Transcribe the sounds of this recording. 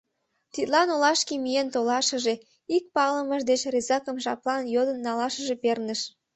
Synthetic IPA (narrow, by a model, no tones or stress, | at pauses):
t̪it̪lɑnolɑʃkimijent̪olɑʃəʒe̽ | ik̚pɑləməʒd̪et͡ɕrezɑkəmʒɑplɑnjod̪ənːɑlɑʃəʒepernəʃ